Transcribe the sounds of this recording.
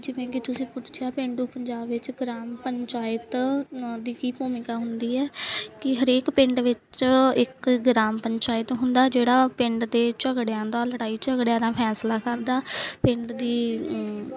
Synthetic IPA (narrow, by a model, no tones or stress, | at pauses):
d͡ʒɪʋɛ̃ːkit̪ʊsĩːpʊt̪ʰt͡ʃʰjaːpɪ̃ɳɖuːpəɲd͡ʒaːbʋɪt͡ʃɡɾaːmpəɲt͡ʃaːjɪt̪d̪iːkiːpoːmɪkaːɦʊnd̪iːɛːkɪɦəɾeːkpɪ̃ɳɖʋɪt͡ʃɪkɡɾaːmpəɲt͡ʃaːɪt̪ɦʊnd̪aːd͡ʒeːɽaːpɪ̃ɳɖd̪eːt͡ʃəɡɽjãːd̪aːləɽaːiːt͡ʃəɡɽjãːɾãːpʰɛːslaːkəɾd̪aːpɪ̃ɳɖd̪iː